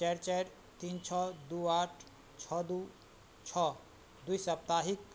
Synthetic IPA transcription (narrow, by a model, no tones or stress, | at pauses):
t͡ʃɛɾt͡ʃɛɾ | t̪int͡ʃʰɔd̪uːaːʈʰ | t͡ʃʰɔd̪u | t͡ʃʰɔ | d̪ujsɐp̚t̪aɦik